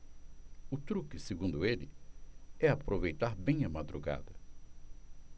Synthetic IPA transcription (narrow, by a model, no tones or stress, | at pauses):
ʊt̪ɾukɪseɡũnd̪ʊelɪ | ɛapɾovejt̪aɾbẽj̃ɐmad̪ɾuɡa̰d̪ɐ